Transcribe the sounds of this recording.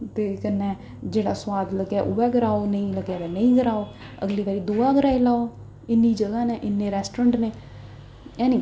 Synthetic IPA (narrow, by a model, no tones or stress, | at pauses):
t̪eːkənːɛ̃ː | d͡ʒeːɽaːswaːd̪ləɡjaːʔʊːɛːɡəɾaːonəĩːləɡjaːd̪ɛːnəĩːɡəɾaːoː | ə̰ɡliːʋaːɾiːd̪oːaːɡəɾaːilaːoː | ɪnːĩːd͡ʒəɡaːneːʔɪnːẽːɾɛːsʈɾəɳɖneː | ɛ̃ːni